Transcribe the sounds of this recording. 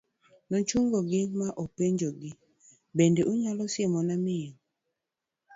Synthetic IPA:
nɔt͡ʃuŋɡɔɡɪmaʔopeɲd͡ʒoɡɪ | bendeʔuɲalɔsɪmɔnamɪŋ

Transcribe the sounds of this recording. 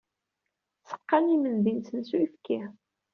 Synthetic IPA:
sə̥qːɑnimənd̪insənsuifki

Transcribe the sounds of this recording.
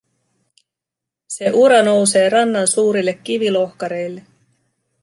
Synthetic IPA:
se̞ʔuɾɑno̞wse̞ːrɑnːɑnsuːɾilːe̞k̟ʲːiʋilo̞hkɑɾe̞jlːe̞

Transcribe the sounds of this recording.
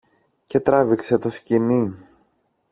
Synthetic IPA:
ce̞t̪ɾɐvikse̞t̪o̞scini

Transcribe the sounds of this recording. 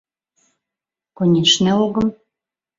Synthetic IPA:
konʲeʃneoɣə̆m

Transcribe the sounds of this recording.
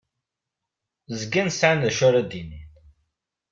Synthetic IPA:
zɡænsʕanðʃʊɾæd̪inin

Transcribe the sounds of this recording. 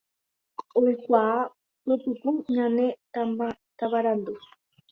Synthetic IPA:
oikʷaː | opɨpuɲãnẽt̪aat̪aβaɾand̪u

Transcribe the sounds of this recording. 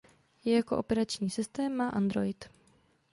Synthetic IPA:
jɛjako̞ʔo̞pɛɾat͡ʃɲiːsɪst̪ɛːmːaʔand̪ɾo̞ɪt̪

